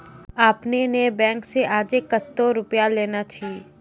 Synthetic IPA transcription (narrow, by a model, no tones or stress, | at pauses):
aːpnenebɛ̃ːŋkseʔaːd͡ʒekːət̪ːoɾʊpjaleːnat͡ʃʰiː